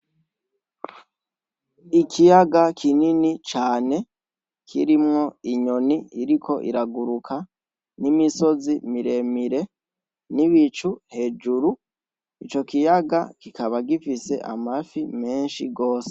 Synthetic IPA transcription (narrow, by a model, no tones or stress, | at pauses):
ikʰijaɡakʰininit͡ʃaːne̞ | kʰḭɾimŋo̞iɲo̞niiɾikʰo̞ʔḭɾaɡuɾukʰa | nimiso̞zimiɾe̞miɾe̞ | niβit͡ʃuhe̞d͡ʒuɾu | it͡ʃo̞kijaɡa̰kikaβaɡifise̞̰ʔa̰mafime̞ːnʃiɡo̞ːse̥